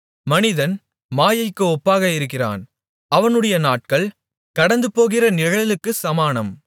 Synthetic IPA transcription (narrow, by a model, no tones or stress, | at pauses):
mɐnɪðɐn | maːjɐɪkːɯɔpːaːɣɐɪɾɯkːɪra̰ːn | ɐʋɐnɯɽɐjɐnaːʈ̚kɐɭ | kɐɽɐnd̪ɯpːoːɣɪrɐnɪɐɣɐɭɐlɯkːɯsɐmaːnɐm